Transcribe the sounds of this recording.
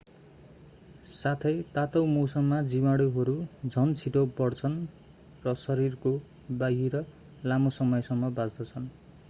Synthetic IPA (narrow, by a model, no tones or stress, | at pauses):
sat̪ʰʌjt̪at̪ʌwmowsʌmːad͡zimaɽuɦʌɾud͡zʱʌnt͡sʰiʈopʌɽt͡sʰʌn | rʌsʌɾirko | baɦiɾʌ | lamosʌmʌjsʌmːʌbad͡zd̪ʌt͡sʰʌn